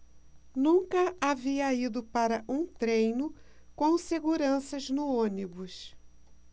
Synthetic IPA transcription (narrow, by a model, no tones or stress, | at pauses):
nũkɐaviɐid̪ʊpaɾɐʔũt̪ɾẽjnʊkõw̃seɡuɾɐ̃sɐznʊõnibʊs